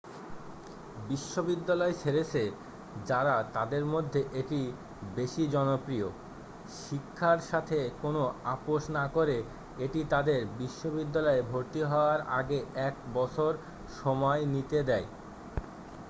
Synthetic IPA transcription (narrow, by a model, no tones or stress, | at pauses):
biʃːobid̪ːalɔet͡ɕʰeɾet͡ɕʰe | d͡ʑaɾat̪ad̪eɾmod̪ʱːeʔeʈi | beʃid͡ʑɔnopɾio | ʃikʰːaɾʃat̪ʰekonoapoʃnakoɾe | eʈit̪ad̪eɾbiʃːobid̪ːalɔebʱoɾt̪iɦɔoaɾa̰ɡeɛk̚bɔt͡ɕʰoɾ | ʃɔmɔenit̪ed̪ɛe